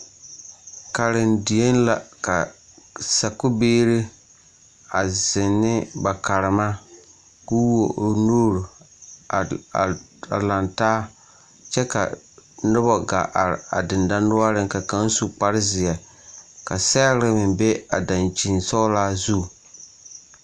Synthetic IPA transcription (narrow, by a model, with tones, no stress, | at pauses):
ka˨ɾɪ˨ndi˨e˦n˦la˨ka˨ | sa˨kʊ˦beː˦ɾɪ˦ | a˨zɪ˨nːɪ˦ba˨ka˨ɾɪ˨ma˦ | ku˦wo̰˨noː˦ɾʊ˨ | a̰˨la˨ntaː˦ | t͡ʃɛ˦ka̰˨ | nʊ˦bɔ˨ɡa̰˨ʔa˨ɾa̰˨dɪ˨nda˦nʊ˦a˦ɾɪ̃˦ŋka˨ka˦n˦su˨k͡pa˦ɾɪ˦zɪ˨ɛ˨ | ka˨sa˦ɾɪ˦mɪ˨mbe˦a˨da˨nt͡ʃi˨nsɔ˦laː˦zu˦˨